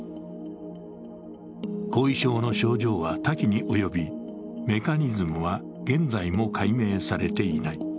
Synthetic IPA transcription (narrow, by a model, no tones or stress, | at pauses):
ɡ̥o̞ːiɕo̞ːno̞ɕo̞ːʑo̞ːβat̪akʲiɲ̟iʔo̞jo̞bʲi | me̞kaɲ̟izɨmɯ̟βa | ɡẽ̞nd͡zaimo̞kʰaime̞ːsaɾe̞t̪e̞inai